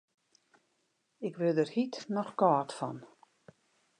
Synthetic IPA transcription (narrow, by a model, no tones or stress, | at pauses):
ɪkvɪðɛɾ̥hit̪nɔχkɔːt̪fa̰n